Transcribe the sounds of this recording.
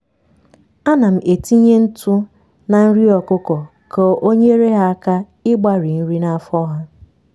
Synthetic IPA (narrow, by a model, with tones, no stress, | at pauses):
a˦na˨m̩˨ʔe˨ti˦ɲe˦n̩˦tu˦ | na˨n̩˦ɾi˦ɔ˨kʊ˦kɔ˨ | ko˦˨ʔo˦ɲe˦ɾe˦ɦa˦a˦ka˦ | ɪ˦ɡ͡ba˦ɾi˨n̩˦ɾi˦na˨a˨fɔ˦ɦa˦